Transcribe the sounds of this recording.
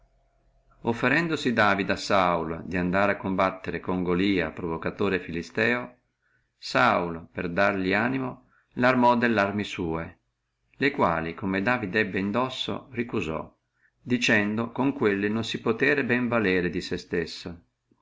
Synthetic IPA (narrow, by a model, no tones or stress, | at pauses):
ofːeɾɛnd̪osid̪aːvid̪asauld̪iand̪aːɾeakːombat̪ːeɾekoŋɡoliːa̰pɾovokat̪oːɾefilist̪ɛːo | saulperd̪arʎliaːnimo | larmɔd̪elːarmisuːe | lekwa̰ːlikomed̪aːvid̪ɛbːeind̪ɔsːo̰rikuzɔ̰ | d̪it͡ʃɛnd̪okoŋkwelːinonsipot̪ɛːɾebɛɱvalɛːɾed̪isest̪esːo